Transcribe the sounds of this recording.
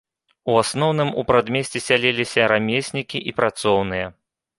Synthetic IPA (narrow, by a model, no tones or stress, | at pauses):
uasnɔwnɨmupɾad̪mʲesʲt͡sʲɛsʲalʲelʲisʲɐɾamʲesʲnʲikʲiʔipɾat̪sɔwnɨjɐ